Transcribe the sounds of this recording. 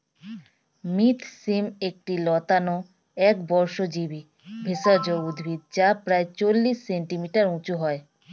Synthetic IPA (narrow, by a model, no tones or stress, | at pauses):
mit̪ʰsimek̚ʈilɔt̪ano | ɛkbɔɾʃod͡ʑibi | bʱesaɾd͡ʑoud̪bʱid̪̚d͡ʑapɾaet͡ɕolːisːeɳʈimiʈaɾũt͡ɕuɦɔe